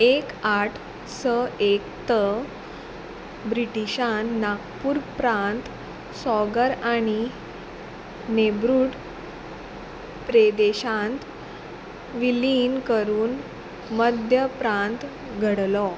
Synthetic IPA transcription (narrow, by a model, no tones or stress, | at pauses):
ekaʈʰ | səek̚t̪ə | bɾiʈiɕãnnːakpuːɾpɾãnt̪ | sɔɡəɾaɽ̃i | nebɾuːɽ | pɾed̪eɕãnt̪ | ʋilinkəɾuːn | məd̪ʱjəpɾãnt̪ | ɡʱəɽlɔ